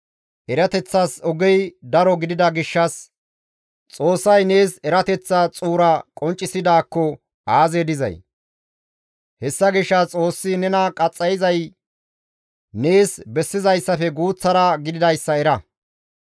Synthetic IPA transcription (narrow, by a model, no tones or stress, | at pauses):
ʔɛɾɐt̪ɛt͡sːɐsɔɡɛjd̪ɐɾɔɡɪd̪ɪd̪ɐɡɪʃːɐs | t͡sʼo̞ːsːɐjne̞ːsɛɾɐt̪ɛt͡sːɐt͡sʼuːɾɐkʼɔnt͡ʃʼːɪsɪd̪aːkːɔ | aːzeːd̪ɪzɐ̰j | hɛsːɐɡɪʃːɐt͡sʼo̞ːsːɪnɛnɐkʼɐt͡sʼːɐjɪzɐj | neːsbɛsːɪzɐjsːɐfɛɡuːt͡sːɐɾɐɡɪd̪ɪd̪ɐjsːɐɛɾɐ